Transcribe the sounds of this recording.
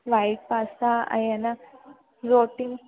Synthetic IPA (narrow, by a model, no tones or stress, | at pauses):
ʋajʈ̚pasaa̰iana | ɾoʈiŋ